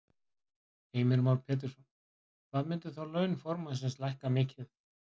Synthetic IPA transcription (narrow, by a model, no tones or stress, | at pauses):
eːjmɪɾmawɾpʰɛːt̪̬ɪɾsɔn | kvaðmɪnt̪ʏ̥θawlœːɥnfɔɾmas̬ɛnslajhkamɪːcɪθ